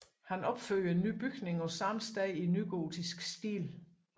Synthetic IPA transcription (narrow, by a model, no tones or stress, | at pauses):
hænɒ̽b̥føl̰ɐe̝nːy̰ːb̥yɡ̥ne̝ŋɒ̽sɑ̈msd̥ɛɪinːyɡ̥o̝ːdʰisɡ̥sd̥ḭːl